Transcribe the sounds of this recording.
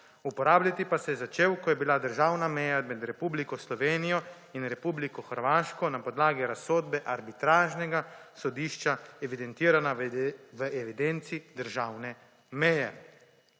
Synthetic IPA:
upɔɾaːblʲjat̪ipasɛjɛzat͡ʃeːwkɔjɛbilad̪əɾʒaːwnamɛjamɛd̪ɾɛpublikɔslɔʋeːnijɔ | inɾɛpublikɔxəɾʋaːʃkɔnapɔd̪laːɡiɾasːoːd̪bɛʔaɾbit̪ɾaːʒnɛɡasɔd̪iːʃt͡ʃaɛʋid̪ɛnt̪iːɾanaʋəɛʋid̪ɛnt̪sid̪əɾʒaːwnɛ | mɛjɛ

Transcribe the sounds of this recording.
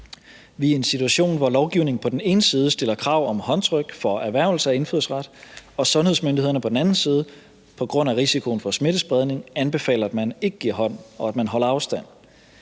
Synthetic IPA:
ʋie̝nsit͡sʰuæɕo̝̰ːnʋɒlɒʊɡ̥iʊne̝ŋ̩pʰɒ̽d̥ene̝ːnəsiːð̞ˠsd̥e̝lɐkʰʁɑ̈ʊ̰ɒ̽mhɒ̽nt͡sʰʁœɡ̥fɒ̽æɐʋæɐʊl̩səæe̝nfyðˠsʁɑd̥ɒ̽sɔ̽nɦe̝ðˠsmønd̥ihe̝ənəpʰɒ̽d̥en̩ænn̩siːð̞ˠə | pʰɒ̽ɡ̥ʁɔ̽n̰æʁisikʰo̝n̩fɒ̽sme̝d̥əsb̥ʁɛð̞ˠne̝ŋænb̥e̝fɛ̰ːlɐæd̥mæne̝ɡ̥əɡ̥iɐ̰ɦɒ̽n̰ɒ̽æd̥mænɦɒ̽l̰ɐɑ̈ʊsd̥æn̰

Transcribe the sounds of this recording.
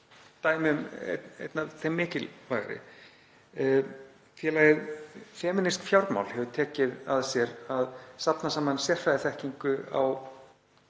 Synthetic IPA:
t̪aːjmʏmḛt̪ḛjt̪navθɛmːɪːcɪlvaːɣɾɪ̰ | θjɛlaːjɪðfɛːmɪnɪskfjawɾt̪ma̰wlhɛvʏt̪ʰɛːcɪðaðsjɛɾaðsapnasaːmansjɛr̥fajðɪθɛhciŋkʏa̰w

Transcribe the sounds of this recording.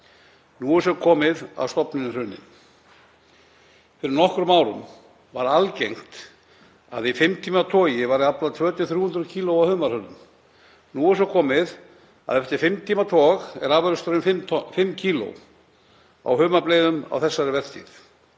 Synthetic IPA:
nuːɛsɛmkʰɔːmɪða̰wst̪ɔpnɪnɪr̥ʏːnɪ̰n | fɪɾɪɾnɔhkɾʏmaːwɾʏ̰m | vaɾalcejŋ̥t̪ | a̰ðifɪmt̪ʰiːmat̪ʰɔːjɪvaːɾɪaplat̪ʰvœːt̪ʏθɾjuːhunt̪ɾʏðcʰiːlowawhʏːmaɾhœɾʏm | nuːɛɾsɛkʰɔːmɪð | a̰ðɛft̪ɪɾ̥fɪmt̪ʰiːmat̪ʰɔːɣɛ̰ɾavœɾʏst̪œɾʏmfɪmːcʰiːlo̰ | a̰wɦʏːmaɾpleːjðʏma̰wθɛsːaɾɪvɛr̥t̪ɪ̰θ

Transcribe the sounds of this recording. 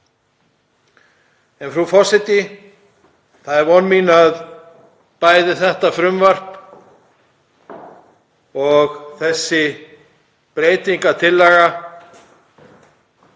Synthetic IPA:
ɛnfɾufɔsɪt̪i | θaðɪɾvɔnmiːnað | paːjðɪθɛht̪afɾʏmvar̥p | ɔɣθɛsːɪ | pɾeːjt̪iŋkat̪ʰɪlːɛɣa

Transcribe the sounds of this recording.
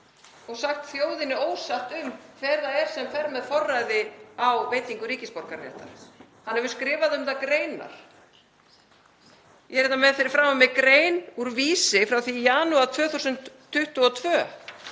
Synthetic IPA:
ɔɣsaxt̪θjoːwðɪnɪoːwsaht̪ʏmkʰvɛɾðaɛɾ̥sɛmfɛɾmɛðfɔrːajðɪawveːjt̪iŋkʏɾiːcɪspɔɾkaɾjɛ̰ht̪a̰ɾ̥ | hanhɛvʏ̥skɾɪːvaðʏmθakɾeːjna̰ɾ̥ | jɛhɛɾɪt̪namɛðθɪɾɪɾfɾaːmʏmːɛkɾeːjnuɾviːsɪfɾawθijaːnuat̪ʰvœːθuwsʏnt̪ʰːʏht̪ʏɔt̪ʰvœː

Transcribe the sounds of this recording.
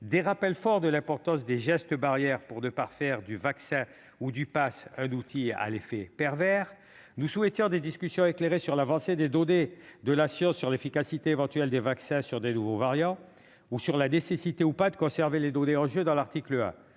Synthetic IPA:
d̪eʁapɛlfɔʁd̪əlɛ̃pɔʁt̪ɑ̃s̬d̪eʒɛst̪əbaʁjɛʁpuʁnəpaʁfɛʁd̪yvaksɛ̃ | ud̪ypasɛ̃nut̪ʰia̰lefɛpɛʁvɛʁ | nusuɛt̪jɔ̃d̪ed̪iskʲysjɔ̃ekleʁesyʁlavɑ̃sed̪ed̪ɔned̪əlasjɑ̃sːyʁlefikasit̪eːvɑ̃t̪ɥɛld̪evaksɛ̃syʁd̪enuvovaʁjɑ̃ | usyʁlanesesit̪eupad̪əkɔ̃sɛʁveled̪ɔneɑ̃ʒød̪ɑ̃laʁt̪ikləɛ̰̃

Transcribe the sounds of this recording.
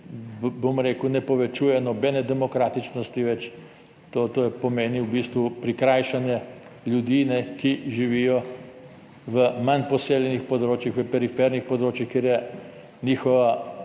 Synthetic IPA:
bomɾeːkəʊnɛpɔʋɛt͡ʃuːjɛnɔbɛnɛd̪ɛmɔkɾaːt̪it͡ʃnɔst̪iʋɛt͡ʃ | t̪ot̪ojɛpɔmeːniwbist̪ʋupɾikɾajʃanjɛljud̪inɛkiʒiʋiːjɔ | ʋəmanpɔseːljɛnixpɔd̪ɾoːt͡ʃjixʋəpɛɾifɛɾnixpɔd̪ɾoːt͡ʃjixkeɾjɛ | niːxɔʋa

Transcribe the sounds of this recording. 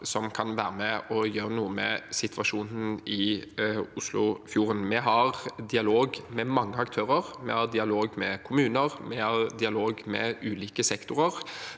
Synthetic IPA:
sɔmkʰɑnʋæːɾəmɛʔɔjøːɾənuːəmɛ̰sɪt̪ʋɑʃuːnən̩ɪ | ʊslʊfjuːɾənmɛɦɑʁd̪ɪɑloːɡmɛmɑŋːəɑkt̪ʰøːɾəʁmɛ̰hɑʁd̪ɪɑloːɡmɛkʰʊmʉːnəʁmɛhɑʁd̪ɪɑloːɡmɛ̰ʔʉːliːkəsɛkt̪ʊɾəʁ

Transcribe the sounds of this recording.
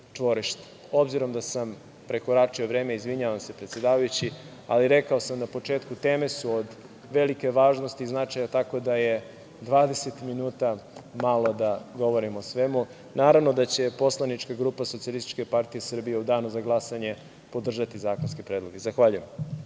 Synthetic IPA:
ʈ͡ʂʋo̞ɾiʃt̪e̥ | o̞bziɾo̞md̪asam | pɾe̞koɾat͡ʂioʋɾeːmeizʋiɲaʋamse̞pɾet̪sje̞d̪aːʋajut͡ɕi | aliɾe̞kao̞samnapo̞t͡ʂeːt̪kut̪e̞ːme̞suod̪ | ʋe̞like̞ʋaːʒno̞st̪iːznat͡ʂajat̪ako̞d̪aje̞ | d̪ʋaːd̪e̞se̞t̪minuːt̪amalˠo̞d̪aɡo̞ʋo̞ɾimosʋe̞mu | naːɾaʋno̞d̪at͡ɕe̞po̞slˠanit͡ʃkaɡɾuːpaso̞t̪sialist̪i̥t͡ʃke̞paɾt̪ije̞sr̩bije̞ud̪aːnuzaɡlˠasaɲe̞ | po̞d̪r̩ʒat̪izaːkonskepɾeːd̪loɡe̞zaxʋaːʎujem

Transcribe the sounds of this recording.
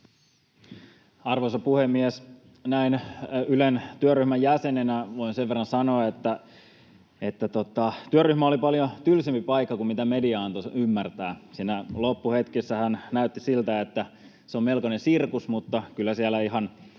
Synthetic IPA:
ɑrʋoisɑpuhemːies | næinylent̪yøryhmæjjæsenenæʋoinseʋʋerːɑnsɑnoɑet̪ːæ | et̪ːæt̪ot̪ɑt̪yørˑyhmæolipɑljot̪ylsempipɑikːɑkummit̪æmediɑːnt̪osymːært̪æːsiːnælopːuhet̪kesːæhænnæyt̪ːisilt̪æet̪ːæ | seomelkonensirkusmut̪ːɑkylːæsiælæiɦɑn

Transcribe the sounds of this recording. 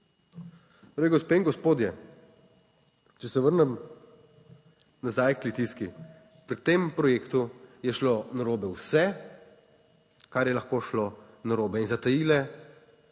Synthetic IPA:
t̪oːɾɛjɡɔspeːiŋɡɔspoːd̪jɛ | t͡ʃɛsɛʋəɾnɛm | nazajklit̪iski | pɾit̪empɾɔjeːkt̪ujɛʃlonaɾoːbɛwsɛ | kaɾjɛlaxkoʃlo | naɾoːbɛinzat̪ajiːlɛ

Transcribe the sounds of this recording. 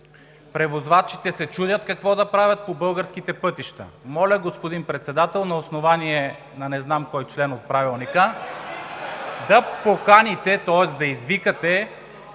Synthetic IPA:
pɾɛvozvat͡ʃi̥t̪ɛsɛt͡ʃud̪ʲət̪kɐkvɔd̪ɐpɾavʲɐt̪̚pobɤlˠɡəɾsk̟it̪ɛpɤt̪iʃt̪ə̰mɔlʲəɡospod̪inpɾɛt̪sɛd̪at̪ɛlˠnɐosnovaniɛ | nɐnɛznamkɔjt͡ʃlɛnot̪̚pɾavilˠnikə | d̪ɐpokanʲit̪ɛt̪ɔɛsd̪ɐizvikət̪ɛ

